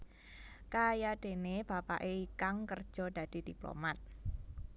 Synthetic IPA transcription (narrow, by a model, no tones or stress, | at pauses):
kajad̪̥e̤neb̥apa̰ʔeikaŋkərd̥ʒ̥ɔ̤d̥̪ä̤d̪̥i̤d̪̥iplo̰mat̪̚